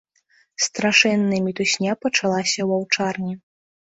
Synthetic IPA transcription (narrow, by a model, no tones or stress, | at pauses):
st̪ɾaʂɛnːɨmʲit̪usʲnʲapɐt͡ʂalˠasʲɐwawt͡ʂarnʲi